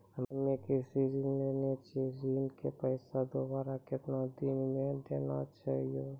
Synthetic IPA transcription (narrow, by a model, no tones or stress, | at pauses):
ɦəmekisizənlenet͡ʃʰisinkepəɪsad̪obaːɾakɪt̪nad̪inmẽd̪ena̰t͡ʃaɦijo